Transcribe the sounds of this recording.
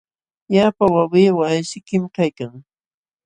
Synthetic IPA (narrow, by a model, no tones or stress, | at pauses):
japawawɪːwaajʃɪkɪmkajkaŋ